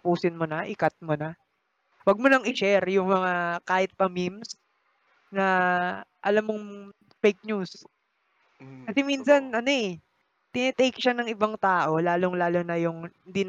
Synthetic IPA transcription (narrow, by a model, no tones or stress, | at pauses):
puːsɪnmonɐʔɪkat̪̚monɐ | wɐɡ̚monɐŋɪʃɛɾjʊŋmɐŋakaːhɪt̪̚pɐmims | nɐ | ʔɐ̰lamːoŋ | fejk̚ɲus | kɐsɛminsɐnʔɐno̞ʔɛ | t̪ɪnɛt̪ɛjkʃanɐŋʔɪbaŋt̪aːʔo̞laːloŋlaːlonɐjʊŋhɪnd̪iːn